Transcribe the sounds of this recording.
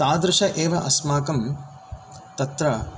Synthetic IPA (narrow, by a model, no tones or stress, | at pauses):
t̪aːd̪ɾɪʂɐʔeːʋɐʔɐsmaːkɐm | t̪ɐt̪ɾɐ